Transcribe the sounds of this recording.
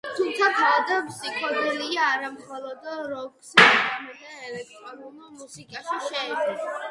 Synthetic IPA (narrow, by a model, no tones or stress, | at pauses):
t̪ʰumt̪ʰapʰad̪apʰsikʰɔd̪ɛliaːɾamχɔlˠɔd̪ɾɔkʼsamɛd̪ɛɛlɛk̚t̪ʼɾɔnunulmusikʼaʃiʃɛɛdɛla